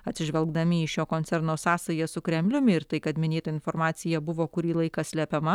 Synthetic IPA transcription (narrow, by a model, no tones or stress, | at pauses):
ɐt̪ʲsʲɪʒʲʋʲɛlˠɡd̪ɐmʲɪɪʃʲjoːkonʲsʲɛɾnoːsɑːsɐjɛsʊkɾʲɛmʲlʲʊmʲɪɪɾt̪ɐɪkɐt̪mʲɪnʲeːt̪ɐɪnfoːɾmɑːt̪sʲɪjɛbʊʋoːkʊɾʲiːlˠɐɪkɐsʲlʲæpʲɛmɐ